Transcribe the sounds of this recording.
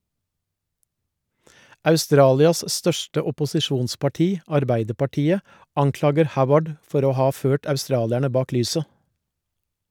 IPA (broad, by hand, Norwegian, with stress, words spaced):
ɑʉˈstɾɑːlɪɑs ˈstœʃʈə ʊpʊsɪˈʃuːnspɑˌʈiː ɑɾˈbæɪdəpɑˌʈiːə ˈɑŋˌklɑːɡəɾ ˈhaʊwəɖ ˈfɔɾ ˈoː ˈhɑː ˈføːʈ ɑʉˈstɾɑːlæɳə ˈbɑːk ˈlyːsə